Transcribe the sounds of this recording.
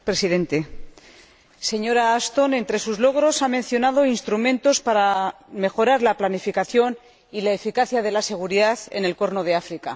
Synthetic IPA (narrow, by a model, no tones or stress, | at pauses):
pɾe̞siðe̞nt̪e̞ | se̞ɲo̞ɾaast̪o̞ne̞nt̪ɾe̞suzlo̞ɣ̞ɾo̞samẽ̞nθjo̞naðo̞inst̪ɾumẽ̞nt̪o̞spaɾame̞xo̞ɾaɾlaplanifikaθjo̞n | ilaefikaθjað̞e̞lase̞ɣ̞uɾiðaθe̞̰ne̞lko̞ɾnoð̞eafɾika